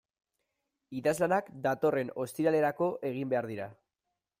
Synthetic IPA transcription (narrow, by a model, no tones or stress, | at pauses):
iðazlanakd̪at̪o̞re̞no̞st̪iɾale̞ɾako̞ʔe̞ɣ̞imbe̞aɾðiɾa